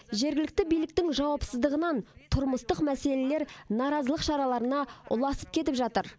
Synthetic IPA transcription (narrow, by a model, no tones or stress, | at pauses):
ʒe̞ɾɡʲɪlɪk̚t̪ɪbijlɪk̚t̪ɪŋʒɑwɑpsəzd̪əʁənɑnt̪ʰʊɾməst̪əqmæse̞le̞le̞ɾnɑɾɑzəlˠəqʃɑɾɑlˠɑɾənɑʊ̰lˠɑsəp̚kʲʰe̞t̪̬ɪpʒɑt̪əɾ